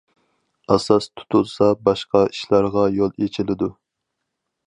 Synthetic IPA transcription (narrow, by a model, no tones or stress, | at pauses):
ɑsɑst̪ʰu̥t̪ʰusɑbɑʃqɑiʃlɑɾʁɑjolˠet͡ʃʰilɪd̪u